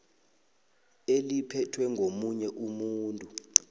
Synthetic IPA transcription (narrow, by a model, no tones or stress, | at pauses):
elipʰɛtʰwɛŋʱomuɲɛʔumuːntʼu